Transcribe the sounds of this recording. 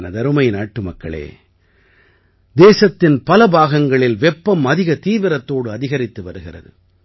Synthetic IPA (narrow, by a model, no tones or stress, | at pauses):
nɐd̪ɐɾɯmɐɪnaːʈːɯmɐkːɐ̰ɭḛː | d̪eːsɐt̪ːɪnpɐlɐbaːɣɐŋɡɐɭɪlʋɛpːɐmɐðɪɣɐt̪iːʋɪɾɐt̪ːoːɽɯɐðɪɣɐɾɪt̪ːɯʋɐɾɯɣɪrɐ̰ðɯ̰